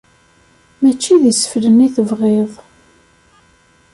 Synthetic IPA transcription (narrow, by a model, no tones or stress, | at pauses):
mæt͡ʃːiðisə̥fləniθəvʁeðˤ